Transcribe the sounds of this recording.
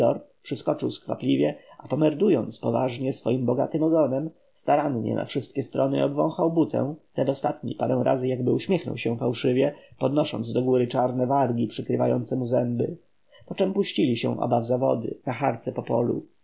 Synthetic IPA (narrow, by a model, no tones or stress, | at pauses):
ɔɾt̪pʂɘskɔt͡ʂɘwskfa̰plʲivʲjɛʔapɔmɛɾd̪ujɔnt̪spɔva̰ʐɲɛsfɔjimbɔɡa̰t̪ɘmɔɡɔnɛm | st̪aɾanɲɛ̰nʔa̰fʂɘst̪̚kʲɛst̪ɾɔnɘɔbvɔ̰̃w̃xawbut̪ʰɛ̰̃t̪ɛd̪ɔst̪at̪ɲḭpaɾɛ̃w̃ɾʔa̰zɘjaɡ̚bɘuɕmʲjɛxnɔ̰wɕɛfawʂɘvʲjɛpɔd̪nɔʂɔ̰nd̪zd̪ɔɡuɾɘt͡ʂaɾnɛvaɾɡʲipʂɘkɾɘva̰jɔnt̪sɛmuzɛmbɘ̰ | pɔt͡ʂɛmpuɕt͡ɕilʲiɕɛ̰̃ʔɔ̰bavzavɔ̰d̪ɘ̰naxaɾt̪sɛpɔpɔlṵ